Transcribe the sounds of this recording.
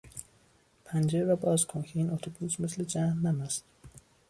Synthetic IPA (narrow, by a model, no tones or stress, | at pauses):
pʰænd͡ʒeɾɾɒːbɒːzkʰoncʰeiːnot̪ʰobusme̞sle̞d͡ʒæhnːæmæst̪